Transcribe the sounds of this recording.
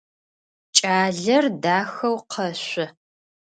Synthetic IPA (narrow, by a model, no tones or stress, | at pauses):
t͡ʃʼaːɮɐrdaːxɐwqʰɐɕʷɪ